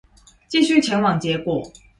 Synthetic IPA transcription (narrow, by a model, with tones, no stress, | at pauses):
t͡ɕi˥˧ɕy˥˨t͡ɕʰjɛ˧˥nwɑ˨˩ŋt͡ɕjɛ˨˥kwɔ˨˩˦